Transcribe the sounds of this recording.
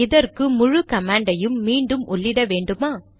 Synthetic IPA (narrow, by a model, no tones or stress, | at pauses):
ɪðɐɾkɯmʊɻʊkɐmaːɳɖɐjɯmːiːɳɖɯmʔʊɭːɪɽɐʋeːɳɖɯmaː